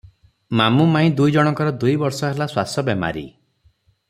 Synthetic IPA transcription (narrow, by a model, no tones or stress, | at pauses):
mamumaĩd̪ujd͡ʒɔɽ̃ɔŋkɔɾɔd̪ujbɔɾsɔɦelaswasɔbema̰ɾi